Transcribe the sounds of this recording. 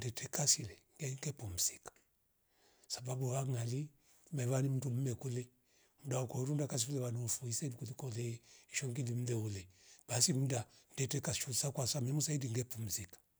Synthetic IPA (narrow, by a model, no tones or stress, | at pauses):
ndɛtʰɛkasilɛŋɡɛiŋɡɛpum̩sikḁ | sababuwaŋali | mɛβanim̩tum̩mɛkulɛ | mudaukɔɔɾundakas̬ifulɛβaniufuisaidikulikɔlɛiʃɔŋɡilim̩lɛulɛb̥asim̩dan̩dɛtɛkasʃulsakwasamɛmusaidiŋɡɛpum̩zikḁ